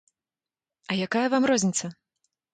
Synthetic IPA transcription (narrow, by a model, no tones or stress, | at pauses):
ɐjakajɐvamrɔzʲnʲit̪sɐ